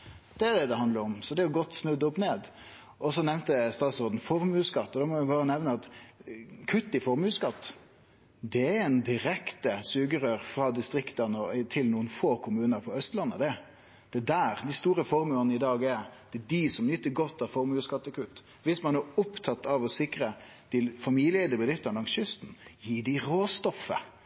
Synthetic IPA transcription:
d̪̥ɛæd̪ɛd̪ɛhɑnd̪ləɾɔmsɔd̪ɛjʊɡɔt̪ːsnʉd̪ʊpneːd̪ | ʔɔsɔnɛʋnt̪əst̪ɑːt̪sɔɾd̪n̩fɔɾmʉːskɑt̪ːɔd̪ɑmɔʋɪbɑːɾənɛʋnəɑt̪ | kʰʉt̪ːɪfɔɾmʉːskɑt̪ː | d̪ɛɛɛnd̪ɪɾɛkt̪əsʉːɡəɾøːɾfɾɑd̪ɪst̪ɾɪkt̪ənɔt̪ʰɪlnuːənfoːkʰʊmʉːnəɾpʰɔœst̪lɑnːəd̪ɛ | d̪̥ɛd̪æːɾd̪ɛst̪uːɾəfɔɾmʉːənəɪd̪ɑːɡɛ̥ɛd̪ɪsɔmnʏt̪ːəɡɔt̪ʰːɑfɔɾmʉːskɑt̪ːɪkʰʉt̪ː | ʋɪsmɑnɛʊpt̪ʰɑt̪ːɑʋɔsɪkɾə | d̪̥ɪlfɑmillɪɛd̪əbɪd̪ɪt̪ːənlɑŋsʏst̪n̩jiːɖɪɾoːst̪ɔfːə̰

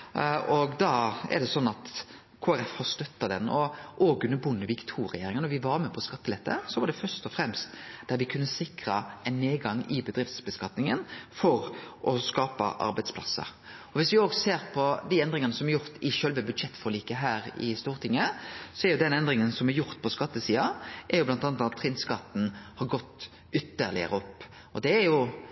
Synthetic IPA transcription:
ɔɡd̪ɑːɛ̰ɾɖ̪ɛsɔnːɑt̪ | kʰoːæɾɛfhɑɾst̪œt̪ːɑd̪ɛnːɔʔoːɡʉnːəɾbʊnːəʋɪkt̪ʰuːɾɛjeːɾɪŋənɔɾʋɪʋɑɾmɛpʰɔskɑt̪ːəlɛt̪ːə̰sɔʋɑɾdɖ̪ɛfœɾst̪ɔfɾɛmst̪d̪̥æɾʋɪkʰʉnːəsɪkɾəɛɪnːeːɡɑŋːɪbəd̪ɾɪft̪sbəskɑt̪nɪŋənfɔɾʔɔskɑːpə̰ʔɑ̰ɾbæɪd̪spʰlɑ̰sːə̰ɾ | ɔʋɪsʋɪoːɡseːɾpʰɔd̪iɛnd̪ɾɪŋənəsɔmæɾjʊɾt̪ɪʃœlʋəbʉd̪ʂɛt̪ːfɔɾliːkəɦæːɾɪ̰st̪uːɾt̪ʰɪŋːəsɔɛɾjʊd̪ɛnɛnd̪ɾɪŋənsɔmæɾjʊɾt̪pʰɔskɑt̪ːəsiːɑʔæɾjʊblɑnt̪ɑnt̪ɑt̪ʰːɾɪnskɑt̪n̩hɑɾɡɔt̪ː | ʏt̪ːəɾlɪ̰ə̰ɾəɔpː | ɔd̪ɛːɾjʊ

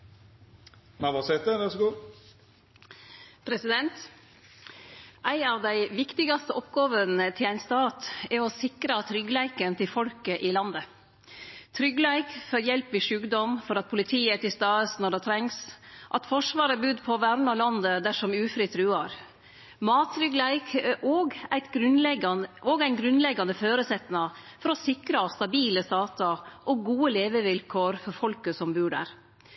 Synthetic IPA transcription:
mɑʋɑsɛt̪əʋæsɡuː | pʰɾɛsɪd̪ɛnt̪ | ʔæɪnɑʋd̪æɪʋɪkt̪ɪɡɑst̪əʔɔpɡɑːʋənət̪ʰɪlæɪnst̪ɑːt̪ɛɾɔsɪkɾɑt̪ʰɾʏɡlæɪkənt̪ʰɪfɔlkəʔɪlɑnd̪ə | t̪ʰɾʏɡlæɪkfɔɾjɛlpɪʂʉːɡd̪ɔmfɔɾɑt̪̚pʰʊlɪt̪ʰiːət̪ɪst̪ɑːəsnɔɖɛt̪ʰɾɛŋsʔɑt̪fɔʂʋɑːɾəbʉd̪pʰɔʋæɾɳɑlɑnd̪əd̪æʂɔmʉːfɾit̪ʰɾʉːɑɾ | mɑːt̪ʰːɾʏɡlæɪkʔɔːɡæɪt̪ɡɾʉnlɛɡɑnɔɡæɪnɡɾʉnlɛɡːɑnəføːɾəsɛt̪nɑfɔɾɔsɪkɾɑst̪ɑbiːləst̪ɑːt̪ɑʔɔɡuːəleːʋəʋɪlkʰoːɾfɔɾfɔlkəsɔmbʉːɖæ̰ɾ

